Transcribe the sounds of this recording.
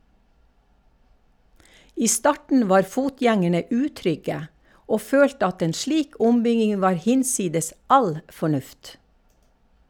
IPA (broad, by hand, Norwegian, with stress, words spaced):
ˈiː ˈstɑʈɳ̩ ˈʋɑːɾ ˈfuːˌtjɛŋəɳə ˈʉːˌtɾʏɡə ˈoː ˈføːltə ˈɑt ˈeːn ˈʃɭiːk ˈʊmˌbʏɡɪŋ ˈʋɑːɾ ˈhɪnˌsiːdəs ˈɑl fɔˈɳʉft